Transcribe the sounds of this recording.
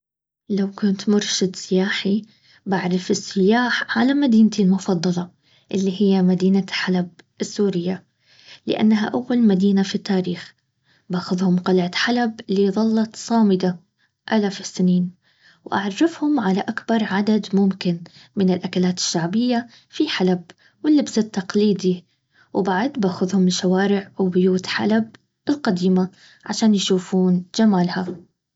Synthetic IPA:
lawkʊnt̪mʊɾʃɪd̪sɪjaːħi | baʕɾˤɪfɪsːɪjaːħʕalamad̪iːnt̪ilmʊfɑd̪ˤːɑlɑ | ʔɪlːiɦɪjːamad̪iːnaħalab̚ | ɪsːuːɾɪjːa | lɪ̰ʔa̰nːaɦa̰ʔawːalmad̪iːnafit̪ːaːɾiːx | baːxʊðhʊmqɑlʕat̪ħalabɪlːiðˤɑlːɑt̪sˤɑːmɪd̪a | ʔalafɪsːɪniːn | wʔa̰ʕrˤːɪfhʊmʕalaʔakbɑɾˤʕad̪ad̪mʊmkɪnmɪnɪlʔakalaːt̪ɪ̥ʃːaʕbɪjːa | fiħalab | wɪlːɪbsat̪ːɑqliːd̪i | wbaʕd̪baːxʊðhʊmʃawaːɾɪʕwbʊjuːt̪ħa̰lab̚ | ɪlqɑd̪iːma | ʕaʃaːnjʃuːfuːnd͡ʒamaːlha

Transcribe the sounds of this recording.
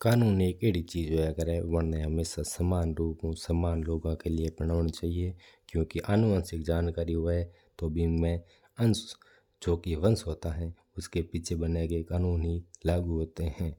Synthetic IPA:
kaːnuːneːkeːɽit͡ʃiːd͡ʒokəɾɛʋənnẽɦəmeːsasəmaːnɾuːpũsəmaːnloːɡãkelɪepəɽ̃aːɳt͡ʃaːɦie | kjõːkiʔənʊə̃nsɪkd͡ʒaːnkaːɾiɦoɛ | t̪oːbʱimɛ̃ | əns | d͡ʒoːkiʋə̃nsɦoːt̪aɦɛ̃ː | ʊskepit͡ʃʰebənekekaːnuːnɦilaːɡuɦoːt̪eɦɛ̃ː

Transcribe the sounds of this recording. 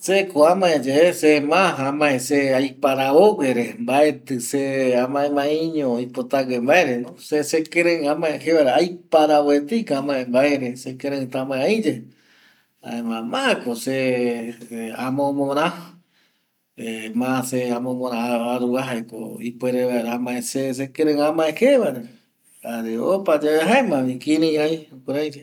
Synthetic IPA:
sekoãmãed͡ʒesemãɦãmãeseajpaɾaoɡeɾembaet̪ɨseamãʔẽmãĩɲõipot̪aɡembaeɾenõsesekẽɾẽãmãẽheβaɾaajpaɾawet̪ikaãmãʔẽmbaeɾesekẽɾẽɨ̃t̪amãẽaĩd͡ʒe | a̰ẽmãmãkose | amõmõɾ̃ã | emãseamõmõɾãaɾuaɦaeko̰ipweɾeβaeɾamãʔẽses̬ekẽɾẽãmãʔẽheβaɾe | aɾeopad͡ʒaeɦaemãβĩkiɾĩajukuɾajɾe

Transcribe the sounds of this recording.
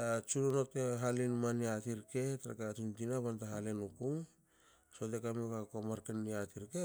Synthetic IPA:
tat͡ʃunonoteɦalinmaniatiɾke̞taɾa̰katuntinaβantaɦalenukum | sotekamokakomaɾkeniatiɾke

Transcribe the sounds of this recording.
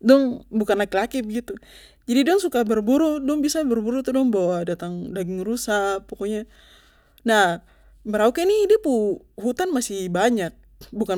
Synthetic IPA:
dɔŋbukanlakilakib̚ɡit̪u | d͡ʒadidɔŋsukabərbuɾudɔŋbisabərbuɾut̪udɔŋbawadat̪aŋdaɡɪŋrusapɔkɔɲa | nah | məɾaukɛnidɛpu | ɦut̪anmasɪhbaɲak̚ | buka

